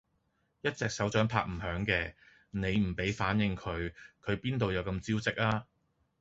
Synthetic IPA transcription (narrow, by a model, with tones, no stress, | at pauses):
jɐ˥t̚t͡sɛː˨k̚sɐ˨˥wt͡ʃœː˨˥ŋpʰa̰ː˧k̚m̩˨˩hœː˨˥ŋkɛː˧ | ne˨˧jm̩˨˩pe˨˥jfaː˨˥njɪ˨˧ŋkʰɵ˨˧ɥkʰɵ˨˧ɥpiː˥nt̪o˨˧wjɐ˨˧wkɐ˧mt͡siː˥wt͡sɪ˥k̚aː˥